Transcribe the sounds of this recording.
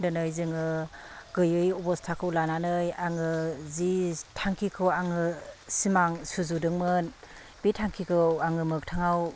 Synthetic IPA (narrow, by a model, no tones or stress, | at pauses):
dɯnɯjzɯŋɯɡɯjɯjɔbɔstʰakʰɯwlananɯjaŋɯzitʰaŋkʰikʰɯwaŋɯsimaŋsuzudɯŋmɯn | b̥itʰaŋkʰikʰɯwaŋɯmɯk̚tʰaŋaw